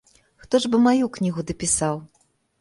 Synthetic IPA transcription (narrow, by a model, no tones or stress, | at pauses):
xt̪ɔʐbɨmajuknʲiɣud̪ɐpʲisaw